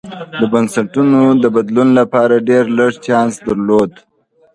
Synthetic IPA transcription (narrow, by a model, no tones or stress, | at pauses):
d̪əbansaʈunod̪əbad̪lunlapɑɾaɖeɾləɽt͡ʃɑnsd̪aɾlod̪